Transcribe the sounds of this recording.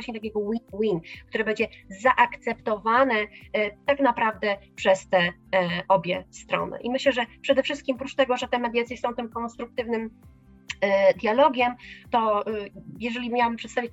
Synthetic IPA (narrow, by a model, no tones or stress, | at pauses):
waɕɲɛt̪akʲɛɡɔwinwink̚t̪uɾɘbɛɲd͡ʑɛzaʔakt̪sɛpt̪ɔvanɛt̪aknapɾavd̪ɛpʂɛst̪ɛʔɔbʲjɛst̪ɾɔ̰nɛ̰ʔimɘɕlɛʐɛpʂɛd̪ɛfʂɘst̪kʲimɔpɾut͡ʂt̪ɛɡɔʐɛt̪ɛmɛd̪jat̪sʲjɛsɔ̃w̃t̪ɘmkɔnst̪ɾuk̚t̪ɘvnɘm | d̪jalɔɡʲɛmt̪ɔ | jɛʐɛlʲimjawampʂɛt̪savʲjit͡ɕ